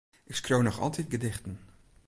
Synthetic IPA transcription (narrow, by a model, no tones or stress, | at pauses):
ʔɪkskrownɔχɑ̰lˠtit̚ɡədɪχtən